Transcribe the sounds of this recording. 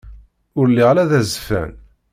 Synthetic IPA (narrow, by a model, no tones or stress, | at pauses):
ʊɾlːiʁlæðæzfæ̰n